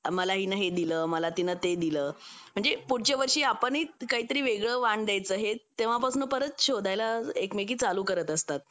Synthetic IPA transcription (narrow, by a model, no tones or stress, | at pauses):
məlaɦiːnəɦed̪iləːməlat̪inət̪ed̪iləːm̤əɳd͡zepuɽ̤t͡ɕeʋəɾʂiːapəɳikaɦiːt̪əɾiːʋeɡɭəːʋaɳd̪jajt͡sːəɦet̪ːeʋ̤apasuːnpəɾət̪ɕod̪ʱajlaekmek̬iːt͡saluːkəɾət̪əst̪at̪̚